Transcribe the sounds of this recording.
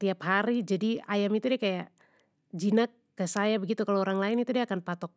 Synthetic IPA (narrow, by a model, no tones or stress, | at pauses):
t̪iaphaɾid͡ʒadiajamit̪udiakajaʔ | d͡ʒinakːəsajabəɡit̪ukaloːɾaŋlaɪnit̪udiakanpat̪ɔk̚